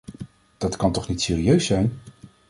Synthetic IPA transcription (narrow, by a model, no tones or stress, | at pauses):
d̥ɑtkɑntɔχnitseːriøɥsɛjn